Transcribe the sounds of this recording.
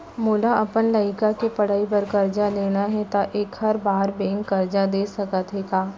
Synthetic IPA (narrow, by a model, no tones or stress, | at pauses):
moːlaʔɐpənləɪkakepɐɽaːip̬əɾkɐɾd͡ʒaleːnaɦɛt̪aʔeːkhɐɾbaːɾbɛ̃ːŋkːɐɾd͡ʒad̪eːsɐkət̪ɦɛːɡaː